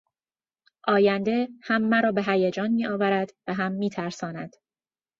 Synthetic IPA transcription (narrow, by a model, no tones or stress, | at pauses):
ʔɒːjænd̪e̞hæmːæɾɒːbeɦæjed͡ʒɒːnmiːʔɒːvæɾæd̪̥væɦæmːiːt̪ʰæɾsɒːnæd̪̥